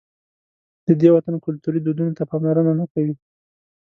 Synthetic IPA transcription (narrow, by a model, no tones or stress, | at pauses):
d̪̥əd̪ewat̪ankʊlt̪uɾid̪ud̪unot̪apɑmlaɾənanakawi